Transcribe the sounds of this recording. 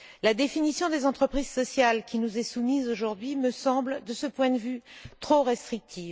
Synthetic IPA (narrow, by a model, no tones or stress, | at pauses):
lad̪efinisjɔ̃d̪ezɑ̃t̪χəpχizsɔsjalkʲʰinuzɛsumizoʒuʁd̪ɥiməsɑ̃bld̪əsəpwɛ̃d̪əvyt̪χoʁɛst̪χik̚t̪ʰiːv